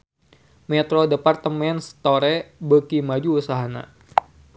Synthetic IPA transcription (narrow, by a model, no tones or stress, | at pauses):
mɛt̪ɾodəpart̪əmɛnst̪oɾɛbəkimad͡ʒuusaɦana̰